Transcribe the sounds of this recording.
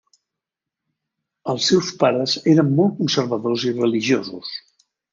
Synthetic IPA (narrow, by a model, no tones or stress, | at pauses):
əlˠsɛwspaɾəzeɾəmːɔlˠt̪̚kunsəɾβəðozirəliʒiozus